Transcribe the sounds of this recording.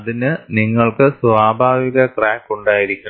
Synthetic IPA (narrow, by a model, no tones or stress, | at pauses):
ɐðinɨniŋːɐɭkɨsʋaːbʱaːʋiɣɐkraːkːuɳɖaːjiɾikʲːuɳɐ